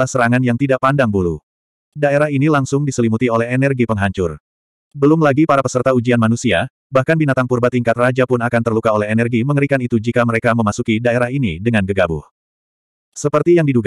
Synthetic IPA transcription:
ahsəɾaŋanjaŋt̪idaʔ̚pandaŋbulu | daeɾaɦinilaŋsʊŋdisəlimut̪iolɛɦɛnɛrɡipəŋɦaɲt͡ʃʊr | bəlʊmlaɡipaɾapəsərt̪aud͡ʒianmanusia | bahkanbinat̪aŋpurbat̪ːiŋkat̪rad͡ʒapʊnakant̪ərlukaolɛɦenɛrɡiməŋəɾikanit̪ud͡ʒikaməɾekaməmasukidaeɾaɦinidəŋanɡəɡabʊ̰h | səpərt̪ijaŋdiduɡ

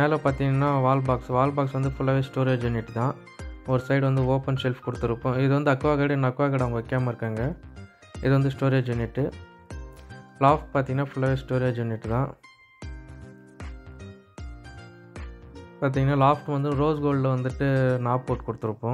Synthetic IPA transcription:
meːlɐ̃paːɾt̪ĩːŋɡɐnːaːʋaːlbaːksʋaːlbaːksʋɐnd̪ɯfʊɭːɐʋeːsʈoːɾeːd͡ʒɐnːɪʈːɯt̪ãː | ɔɾɯsɐɪɽʋɐnd̪ɯoːpɛnsɛlfkɔɽɯt̪ːɯɾɯpːõːɪðɯʋɐnd̪ɯɐkːɯʋaːkɐːɽinɐkːɯʋaːkɐɽɐʊŋɡɐɔkːjaːmɐɪɾɯkːaːŋɡɐ | ɪðɯʋɐnd̪ɯsʈoːɾeːd͡ʒʋɐnːɪʈːɯ | laːfʈ̚paːɾt̪iŋɡɐnːaːfʊlːɐʋeːsʈoːɾeːd͡ʒɐnːɪʈːɯt̪ãː | paːɾt̪̬ĩːŋɡɐnːaːlaːfʈʋɐnd̪ɯ̃ɾoːsɡoːlɖlɐʋɐnd̪ɯʈːɯnaːpːoːʈkɔɽɯt̪ːɯɾɯpːõː

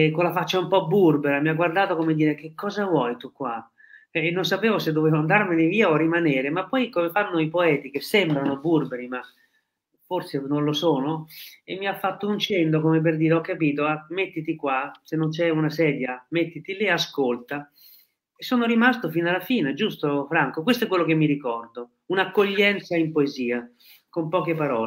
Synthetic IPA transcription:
konlafat͡ʃːaumpɔbːurbeɾamiaɡːward̪aːt̪okomed̪iːɾek̟ekːɔːzavwɔjt̪ukːwa | nːonsapeːvosed̪ːoveːvoand̪armeneviːaorimaneːɾemapːɔjkomefanːoipoɛːt̪ikesːɛmbɾanoburbeɾima | forsenonlosoːnoemːiafːat̪ːount͡ʃɛnd̪okomep̬erd̪iːɾeɔkːapiːt̪oamːet̪ːit̪ikwasenːont͡ʃɛunasɛːd̪jamet̪ːit̪iliaskolt̪a | esːoːnoɾimast̪ofinalːafiːned͡ʒust̪ofɾaŋkok̬west̪oɔɛk̬ːwelːokemːiɾikɔrd̪o | unakːoʎːɛnt̪saimpoeziːa | kompɔːk̟epaɾɔːl

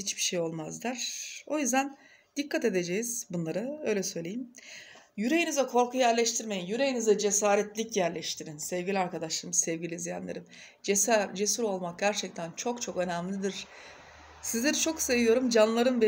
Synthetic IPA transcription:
hit͡ʃbiʃejo̞lˠmazlˠaɾ̥o̞jyzd̪æn | d̪̥ikʰːat̪e̞d̪e̞d͡ʒejiz̥bunlˠaɾɯø̞jlʲɛsø̞jlʲe̞jim | jyɾe̞jinizɛkʰo̞ɾkʰujjæɾlʲɛʃt̪ʰiɾme̞jinjyɾe̞jinizɛd͡ʒe̞saːɾɛt̪lʲicjæɾlʲɛʃt̪ʰiɾinsɛvɟilʲiaɾkʰad̪aʃlˠaɾmɯsɛvɟilʲizija̰nlˠa̰ɾɯm | d͡ʒesd͡ʒe̞suɾo̞lˠmak̚ɟæɾt͡ʃʰɛc̚t̪ʰænt͡ʃʰo̞kt͡ʃʰo̞kø̞næmlʲid̪iɾ̥ | sizd̪iɾt͡ʃʰo̞kse̞vijo̞ɾumd͡ʒanlˠaɾɯnvɛ

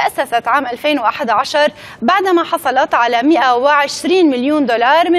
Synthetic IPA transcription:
ʔasːasat̪ʕaːmʔalfeːnwʔaħad̪ʕaʃɑɾˤbaʕd̪maħɑsˤɑlɑt̪ʕalamɪʔawɪʕɪʃɾiːnmɪljuːnd̪olɑːɾˤmɪ

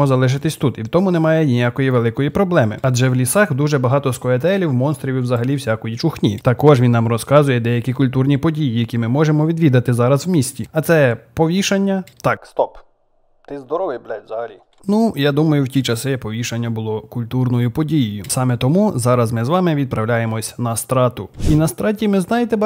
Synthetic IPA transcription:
ɔzɐlˠɛʒɪt̪ɪsʲt̪ut̪iwt̪ɔmʊnɛmɑjɛnʲijakɔjiʋelˠɪkɔjipɾɔblˠɛmɪ̰ɐdʒɛwlʲisɑxd̪uʒɛbɐɦɑt̪ɔskɔɛt̪̬ɛlʲiwmɔnst̪ɾʲiʋʲiwzɐɦɐlʲiwsʲakɔjit͡ʃʊxnʲḭt̪ɐkɔʒʋʲinːɑmrɔskɑzʊjɛd̪ɛjɐkʲikʊlʲt̪urnʲipɔdʲijijɐkʲimɪmɔʒemɔʋʲid̪ʋʲid̪ɐt̪ɪzɑɾɐzwmʲisʲtʲiɐt̪sɛpɔʋʲiʃɐnʲːɐt̪ɑkst̪ɔp | t̪ɪzd̪ɔɾɔʋɪjblʲɛt̪ʲzɐɦɐlʲi | nujad̪umɐjʊwtʲit͡ʃɐsɪpɔʋʲiʃɐnʲːɐbʊlˠɔkʊlʲt̪urnɔjʊpɔdʲijɪjʊsɑmɛt̪ɔmuzɑɾɐzmɪzʋɑmɪʋʲid̪̚pɾɐwlʲajemɔsʲnɐst̪ɾɑt̪ʊinɐst̪ɾɑtʲimɪznɑjet̪ɛb

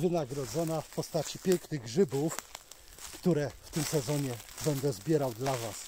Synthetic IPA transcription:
vɘnaɡɾɔd̪zɔnafpɔst̪at͡ɕipʲjɛŋknɘɣʐɘbuf | kt̪uɾɛft̪ɘmsɛzɔɲɛbɛnd̪ɛzbʲjɛɾawd̪lavas

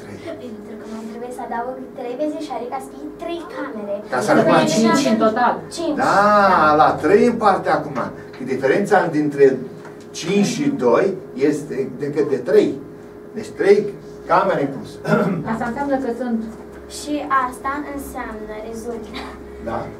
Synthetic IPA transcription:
t̪ɾej̪ɾukəməmt̪ɾebujesad̪avəɡt̪ɾejbezeʃaɾikasit̪ɾejkameɾekasaɾkmat͡ʃinɨnt̪ot̪alt͡ʃind̪alat̪ɾejɨpart̪eakuma̰ | ʃid̪ifeɾent̪sad̪int̪ɾe̞ | t͡ʃint͡ʃʃid̪ojjest̪ed̪ekɨt̪̚d̪et̪ɾej | d̪et͡ʃt̪ɾej | kameɾeŋplusast̪aɨnsjamnəkəsunt̪ | ʃiast̪aʔɨnsamnəɾezult̪ | d̪a̰

